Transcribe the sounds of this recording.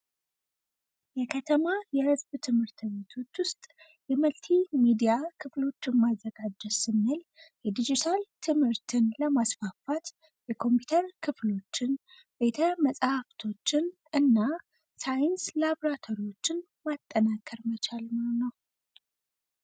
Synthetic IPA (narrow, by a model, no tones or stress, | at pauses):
jɛkʰət̪ʰəmajɛhɨzbt̪ʰɨmhɨɾt̪ʰɨβe̞t̪ʰo̞t͡ʃːwʊst̪ʼ | jɛməlt̪ʰimid̪ijakʰɨflo̞t͡ʃːɪnmazːəɡad͡ʒːɛsɨnːɨljɛd̪id͡ʒit̪ʰalt̪ʰɨmhɨɾt̪ʰɨnləmasfafat̪ | jɛkʰo̞mpʰit̪ʰəɾkʰɨflo̞t͡ʃːɪn | be̞t̪ʰəməsʼhaft̪ʰo̞t͡ʃːɪn | ɨnːa | sajɪnslabɾat̪ʰo̞ɾiwo̞t͡ʃːɪn | mat̪ʼːənakʰəɾmət͡ʃʰalmɨhonəw